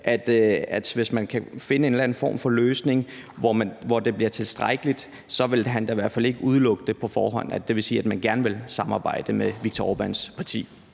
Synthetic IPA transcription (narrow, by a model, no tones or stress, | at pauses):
ʔæd̥æd̥ʋe̝smænkʰæfe̝nəe̝nlæn̩fɒ̰ːmfɒ̽løːsne̝ŋ | ʋɒmʋɒd̥e̝b̥liɐt͡sʰe̝lsd̥ʁaɡ̥əlid̥ | sɒ̽ʋe̝lɦænd̥ɑ̈iʋæɐ̰d̥fæle̝ɡ̥əuð̞ˠlɔ̽ɡ̥əd̥əpʰɒ̽fɒ̰ːɦɒ̽n̰æd̥e̝ʋe̝siːæd̥mænɡ̥æɐnəʋe̝lsɑ̈mɑ̈ːb̥ɑ̈ɪ̰d̥əmeʋiɡ̥̚t͡sʰɒɒb̥ænspʰɑ̈t͡sʰḭː